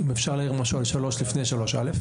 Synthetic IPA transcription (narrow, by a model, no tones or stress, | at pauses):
imefʃaʁlaiʁmaʃualʃalo̞ʃlifne̞jʃalo̞ʃa̰lef